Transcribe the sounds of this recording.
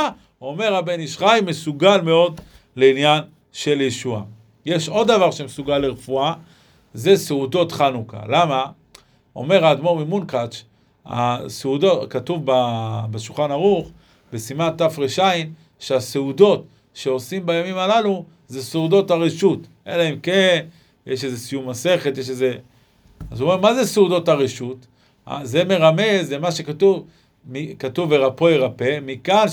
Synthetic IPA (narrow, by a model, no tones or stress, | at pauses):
o̞me̞ʁabeniʃχajme̞suɡalme̞o̞d | leinjan | ʃe̞ljeʃua | je̞ʃo̞dːavaʁʃe̞mesuɡalːeʁefua | ze̞seudo̞t̪χanuka̰lama | ʔo̞̰me̞ʁaːd̪mo̞mimunkat͡ʃ | a̰seudo̞katuvbabaʃulχanaʁuχ | besimant̪afʁeʃain | ʃeaseudo̞t | ʃeo̞simbajamimalalu | zeseud̪o̞thaʁeʃut̪ʔḛlaemken | jeʃezesijumase̞χetjeʃeze | azuomeʁmazeseudo̞thaʁeʃut̪ | a̰zeme̞ʁame̞zemaʃekatuv | mikatuvbeʁapo̞jʁape̞mikan